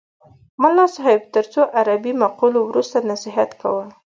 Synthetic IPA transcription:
mʊlːɑsɑɦɪb̚t̪əɾt͡soʔaɾabimaqulowɾust̪anasɪɦat̪ka̰wəl

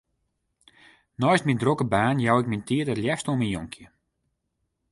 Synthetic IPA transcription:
nɔjstmindrokəbaːnjawɪk̚mintiədɔtljɛfstominjoŋkʰjə

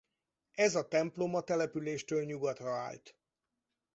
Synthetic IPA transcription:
ɛzɒt̪ɛmplo̞mɒt̪ɛlɛpyleːʃt̪øːlɲuɡɒt̪rɒa̰ːlt̪

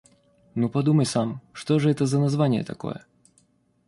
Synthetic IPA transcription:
nupɐd̪uməjsamʂt̪oʐɨɛt̪əzənɐzvanʲɪjə̰t̪ɐko̞̰jə̰

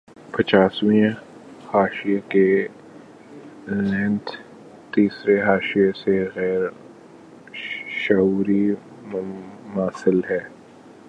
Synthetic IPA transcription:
pɐt͡ʃaːswĩẽ | haːʃieke | lɛ̃ːnt̪ʰ | t̪iːsɾeɦaːʃijeseɣɛːɾ | ʃɐɦuːɾi | mmaːsɪlɦɛː

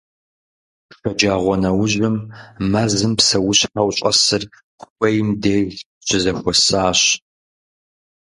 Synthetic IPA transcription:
ʂʷɐd͡ʒaːʁʷɔnɐwʊʑɪmmɐzɨmpsɐwʊɕħɐwɕʼɐ̰sɨr | qxʷɐjmdeː | t͡ʃʰʼɪzɐxʷɔsaːɕ

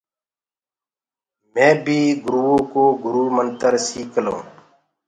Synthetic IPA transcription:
mɛ̃ːbʱiːɡʊɾuːõːkoːɡʱʊɾuːmənt̪əɾsiːklõ̰ː

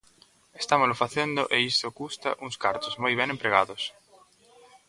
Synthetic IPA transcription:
est̪amʊlʊfaθend̪ʊʔeist̪okust̪a̰ʔuŋskaɾt̪ʊzmojβɛnẽmpɾeɣ̞aðʊs

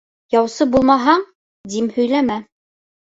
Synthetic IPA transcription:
jɑwsɤbulˠmɑɦɑɴ | d̪imhɵ̆jlæmæ

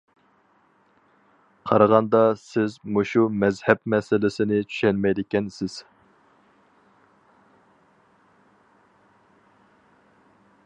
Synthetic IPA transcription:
qʰɑɾɑʁɑnd̪ɑsɪzmoʃumɛzhɛpmɛsɪlɪsɪnɪt͡ʃʰy̥ʃɛnmɛjd̪ɪkʲɛnsɪz̥

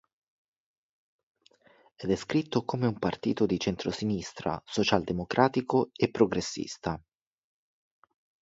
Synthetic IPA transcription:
ɛd̪ɛskɾit̪ːokomeumpart̪ḭːt̪od̪it͡ʃent̪ɾosinist̪ɾa̰sot͡ʃald̪emokɾʔaːt̪ikoepːɾoɡɾesːḭst̪a

